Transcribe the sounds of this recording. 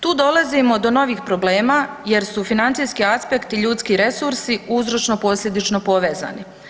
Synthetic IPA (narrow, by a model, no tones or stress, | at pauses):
t̪uːd̪o̞lˠazimo̞d̪o̞no̞ʋiːxpɾo̞ble̞ːmaje̞ɾsufinant̪sijskiaspe̞kt̪iʎuːt̪skiɾe̞suɾsiuzɾo̞t͡ʃno̞po̞slʎʲe̞d̪it͡ʃno̞po̞ʋe̞ːza̰ːni